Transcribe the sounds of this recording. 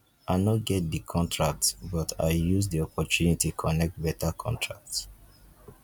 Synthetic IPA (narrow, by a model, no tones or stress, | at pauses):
ʔaɪnɔɡɛt̚dikʰɔ̃ntɹak̚tbɔtʰa̰ɪjuzdiɔpɔtunitikʰɔnɛk̚t̚bɛtʰakʰɔ̰̃ntʰɹa̰k̚t